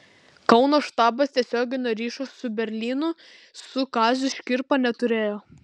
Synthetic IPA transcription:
kɐʊnoːʃt̪ɑːbɐst̪ʲiɛsʲoːɡʲɪnʲoːɾʲiːʃossʊbʲɛɾʲlʲiːnʊ | sʊkɑːzʲʊʃʲkʲɪɾpɐnʲɛt̪ʊɾʲeːjoː

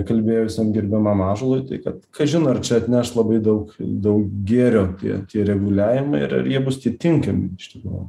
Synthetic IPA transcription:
kɐlʲbʲeːjoːɪsʲɛmɡʲɪɾʲbʲɛmɑːmɑːʒolˠoːɪt̪ɐɪkɐt̪kʰɐɪʒʲɪnoɐrt͡ʃʲɛɐt̪ʲnʲæʃlˠɐbɐɪd̪ɐʊkd̪ɐʊkɡʲeːɾʲoːt̪ʲḭɛt̪ʲiɛɾʲɛɡʊlʲæːʋʲɪmɐɪɪ̰ɾɐ̰ɾjiɛbʊst̪ʲiɛt̪ʲɪŋkɐmʲɪɪʃʲt̪ʲɪkɾṵjʊ

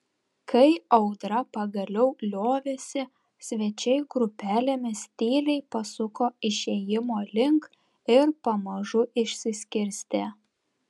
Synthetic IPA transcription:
kʰɐɪɐʊd̪ɾɐpɐɡɐlʲɛʊlʲoːʋʲeːsʲɪ | sʲʋʲɛt͡ʃʲɛɪɡɾʊpʲæːlʲemʲɪsʲt̪ʲiːlʲɛɪpɐsʊkoːɪʃʲeːjɪmoːlʲɪŋk | ɪɾpɐmɐʒʊʔɪʃʲsʲɪsʲkʲɪɾʲsʲt̪ʲeː

